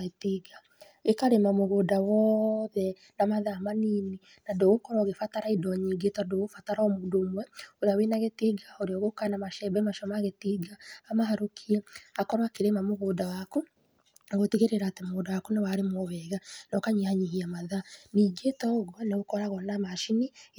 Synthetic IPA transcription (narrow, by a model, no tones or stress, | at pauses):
ɣetiɡa | ekaɾemamoɣoːdawɔðɛ | namaðaːmaniːni | nandoɣokɔɾɔɣefataɾaidɔɲiːŋɡetadoɣofataɾɔmoːndoːmwɛoɾeawenaɣetiɡaoɾeɔɣokanamaʃɛbɛmaʃɔmaɣetiɡaːmaɦaɾokʰiɛakɔɾwakeɾemamoɣoːdawako | ɣoteɣeɾeɾaːtemoɣoːdawakonewaɾemɔβɛɣanɔkaɲihaɲiɦiamaðaniːɡetɔɣwɔneɣokɔɾaɣɔnamaʃini